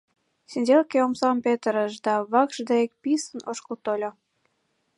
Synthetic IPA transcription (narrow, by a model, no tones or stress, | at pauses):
senʲdʲelkeomsɑmpet̪əɾəʃd̪ɑβɑkʒd̪eek̚pisənoʃkəlt̪olʲo